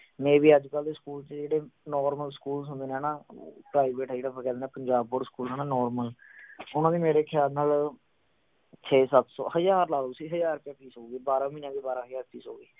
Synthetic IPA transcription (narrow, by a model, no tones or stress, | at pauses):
mɛ̃ːʋiːəd͡ʒkəld̪eːskuːlt͡ʃd͡ʒeːɽeːnɔːɾməlsə̥kuːlsə̃nd̪eːnɛːna̰ːpɾaːɪbeːʈd͡ʒeːɽaːpʰkɛ̃ːd̪eːnãːpəɲd͡ʒaːbpoɾskuːlaːnãːnɔːɾməlʊnãːd̪iːmeːɾeːkʰɪjaːlnaːl | t͡ʃʰeːsət̪sɔ̰ːhəd͡ʒaːɾlaːd̪uːsiːɦəd͡ʒaːɾpɛ̃ːpiːsɦoːɡeːbaːɾãːmiːnãːbiːbaːɾãːɦəd͡ʒaːɾpiːso̰ːɡeː